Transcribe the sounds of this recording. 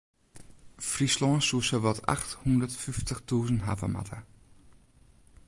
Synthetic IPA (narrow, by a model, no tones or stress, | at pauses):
frislɔːnsuəsəʋɔtʰa̰xthundətfyftəxtuːzəntɦa̰və̰ma̰tʰə